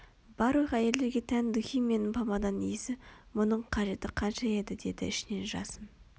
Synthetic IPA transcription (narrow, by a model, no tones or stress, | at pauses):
bɑɾuʁæje̞le̞ɾɡʲe̞t̪ʰænd̪ʊxijme̞nɪmpʰɑmɑd̪ɑnijɪsɪmʊnəɴqʰɑʒe̞t̪ɪqʰɑnʃɑe̞d̪ɪd̪e̞d̪ɪ̰ɪʃɪne̞nʒɑ̰səm